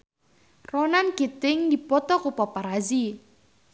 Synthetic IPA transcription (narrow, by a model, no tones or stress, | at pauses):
rɔnanɡ̥it̪ɪŋdipɔt̪ɔkupɔpaɾazi